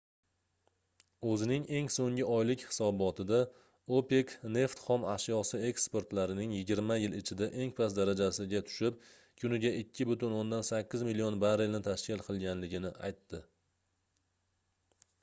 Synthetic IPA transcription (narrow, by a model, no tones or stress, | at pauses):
ɵzɪnɪŋe̞ŋsoŋɪɒjlɪkʲhɪ̥sɒbɒt̪ʰɪd̪a | ope̞kne̞ft̪χɒmaʃjɒsɪe̞kspe̞ɾt̪laɾɪnɪŋjɪɡʲɪɾmajɪlɪt͡ʃʰɪd̪aʔe̞ŋpʰasd̪aɾad͡ʒasɪɡʲat̪ʰʊ̥ʃɪp̚ | kʲʰʊnɪɡʲaʔɪkʲʰːɪbʊt̪ʊnond̪ansakʲːɪzmilijonbaɾelnɪt̪ʰaʃkʲʰɪlˠqʰɨlˠɡʲanlɪɡʲɪnɪʔa̰jt̪ːɪ